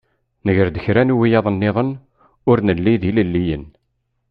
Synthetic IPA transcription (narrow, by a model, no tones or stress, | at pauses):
nəʝəɾd̪əçɾænuwijɑðˤənːɪðˤən | ʊɾnəlːiðiləlːijən